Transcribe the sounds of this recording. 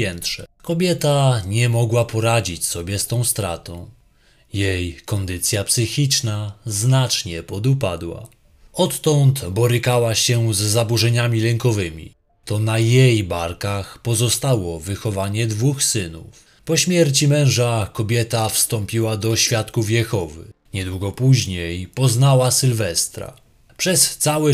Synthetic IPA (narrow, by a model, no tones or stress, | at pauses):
ɛnt̪ʂɛkɔbʲjɛt̪aɲɛmɔɡwapʰɔɾad͡ʑit͡ɕsɔbʲjɛst̪ɔ̃w̃st̪ɾa̰t̪ɔ̃w̃ | jejkɔnd̪ɘt̪sʲjapsɘxʲit͡ʂnaznat͡ʂɲɛpɔd̪upad̪wa̰ | ɔt̪ːɔnt̪bɔɾɘkawaɕɛzːabuʐɛɲamʲilɛŋkɔvɘmʲḭ | t̪ɔnajejbaɾkaxpɔzɔst̪awɔvɘxɔvaɲɛd̪vuxsɘnṵf | pɔɕmʲjɛɾt͡ɕimɛ̃w̃ʐakɔbʲjɛt̪afst̪ɔmpʲiwad̪ɔɕfʲjat̪kufjɛxɔvɘ̰ | ɲɛd̪wuɡɔpuʑɲejpɔznawasɘlvɛst̪ɾa̰ | pʂɛst̪sawɛ